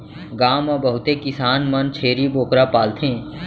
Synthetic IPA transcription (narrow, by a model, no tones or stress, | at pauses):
ɡaːmɔbəɦʊt̪ekɪsaːnmənt͡ʃʰeːɾiboːkɾapaːlt̪ʰẽː